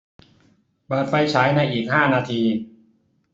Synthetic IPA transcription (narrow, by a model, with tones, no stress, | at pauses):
pɤː˨˩t̪̚fa˧jt͡ɕʰaː˩˦˥jna˧jʔiː˨˩k̚haː˥˩naː˧t̪ʰiː˧